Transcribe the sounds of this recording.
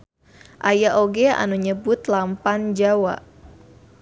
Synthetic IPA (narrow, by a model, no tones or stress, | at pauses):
ʔajaʔoɡea̰nuɲəbʊt̪lampand͡ʒawa̰ʔ